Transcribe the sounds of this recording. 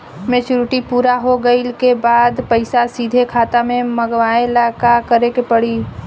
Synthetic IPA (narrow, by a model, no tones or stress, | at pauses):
mẽt͡ʃɾuʈipuːɾaɦoɡəilkebaːd̪pəɪsasiːd̪ʱekʰaːt̪amẽməɡʋaːelaːkakəɾekepəɽiː